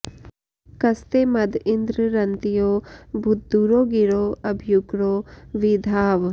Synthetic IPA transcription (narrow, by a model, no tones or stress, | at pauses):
kɐst̪eːmɐd̪ɪnd̪ɾəɾɐnt̪ijoːbʱʊt̪̚d̪uɾoːɡiɾoːɐbʱijuɡɾoːʋid̪ʱaːʋ